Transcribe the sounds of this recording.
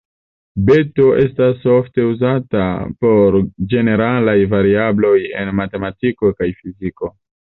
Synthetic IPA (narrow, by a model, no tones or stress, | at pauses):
be̞to̞ʔe̞staso̞fte̞uzata̰po̞ɾd͡ʒe̞ne̞ɾalajvaɾiablo̞je̞̰nmate̞matiko̞kajfiziko̞